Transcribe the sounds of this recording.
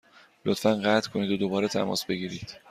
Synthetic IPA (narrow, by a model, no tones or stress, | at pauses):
lot̪fænɢæt̪ʰkʰo̞niːd̪od̪o̞bɒːɾet̪ʰæ̰mɒ̰ːsbe̞ɡiːɾiːd̪̥